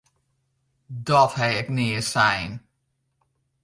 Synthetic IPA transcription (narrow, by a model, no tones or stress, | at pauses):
dɔthɛjɛknɪəsɛjn